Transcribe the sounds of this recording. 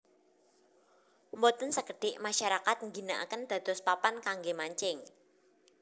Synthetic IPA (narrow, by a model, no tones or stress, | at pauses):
mot̪ənsəkəɖ̥ɪʔmaʃaɾakat̪̚ŋɡinaʔa̰kənd̪̥ä̤d̪̥ɔspapankaŋɡemaɲt͡ʃɪŋ